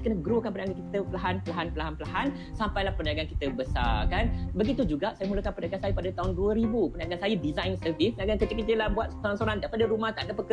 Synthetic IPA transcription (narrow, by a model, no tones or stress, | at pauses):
kənəɡɾokanpəndaɡankit̪əpəlaɦanpəlaɦanpəlaɦanpəlaɦan | sampajlahpəndiaɡanki̥t̪əbəsa̰kanbəɡit̪ud͡ʒuɡaʔsajəmuləkanpəndaɡansajəpadat̪aɦunduəɾibupəniaɡansajədizajnsəvispənaɡankət͡ʃəkət͡ʃəlahbuat̪̚soɾansoɾandaɾipadaɾumãt̪anɡapəkə